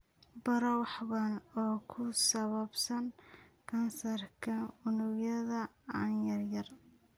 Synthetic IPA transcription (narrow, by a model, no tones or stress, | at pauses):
bɐɾɔwɑħβɐnɔːkʰʊsɐβɐbsɐŋkʰɐnsɐrkʰɐʊnʊɡjɐðɐɐnjɐrjɐr